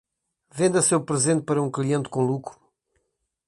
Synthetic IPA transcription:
vẽnd̪ɐsewpɾɨzẽnt̪̚pɐɾɐũklˠiẽnt̪kõlˠukɾu̥

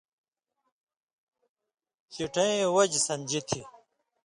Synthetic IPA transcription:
ɕiʈʰɐẽwɐd͡ʑsɐnʲd͡ʑit̪ʰi

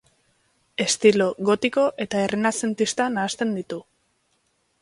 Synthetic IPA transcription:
e̞st̪ilo̞ɣo̞t̪iko̞ʔe̞t̪ae̞rinase̞nt̪ist̪anaːst̪e̞nd̪it̪u

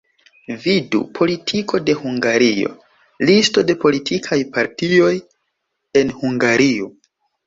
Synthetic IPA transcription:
vidṵpʰo̞litʰikʰo̞de̞huŋɡaɾio̞̰ | listo̞de̞po̞litʰikʰajpaɾtio̞j | e̞nhuŋɡaɾio

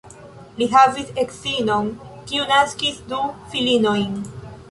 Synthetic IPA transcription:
liɦaviseksino̞nkiunaskisdufilino̞jn

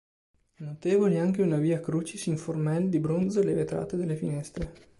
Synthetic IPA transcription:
ɛnot̪eːvolaŋkeunaviːakɾut͡ʃisiɱformɛld̪ibɾonzelevet̪ɾa̰ːt̪ed̪elːefinɛst̪ɾe

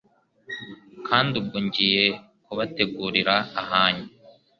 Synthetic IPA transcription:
kʰaːndub̚ɡuɲɟije̞ | kuβate̞ɡuːɾiɾaːhaːɲu

